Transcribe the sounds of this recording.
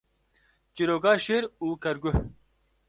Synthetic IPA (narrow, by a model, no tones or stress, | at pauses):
t͡ʃiɾoːɡaːʃeːɾuːkɐɾɡʊh